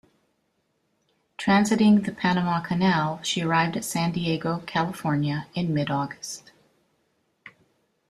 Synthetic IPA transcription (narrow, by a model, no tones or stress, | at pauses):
tʰɹ̥æ̃nsɨɾɪ̃ŋðɨpʰænəmɑkʰɨnælˠʃiə˞aɪvdɨtsæ̃ndieɪɡoʊkʰælˠəfɔɹnjɨɨ̃nmɪɾɔɡɨst